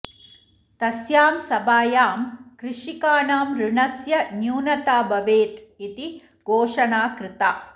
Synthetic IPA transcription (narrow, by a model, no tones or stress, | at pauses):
t̪ɐsjaːmsɐbaːjaːmkɾɪʂikaːnaːmɾɪɳɐsjɐnjuːnɐt̪aːbɐʋeːt̪it̪i | ɡʱoːʂɐnaːkɾɪt̪aː